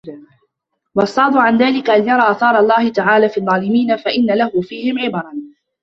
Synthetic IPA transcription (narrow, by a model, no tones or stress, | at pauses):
wɑʔɑsˤːɑːd̪ˤʊʕanðaːlɪkaʔanjɑɾˤɑːʔaːθɑːɾˤɑlˤːɑːhɪt̪aʕaːlaːfiːʔðˤːɑːlɪmiːnafaʔɪnːalahʊfiːhɪmʕɪbɑɾˤɑn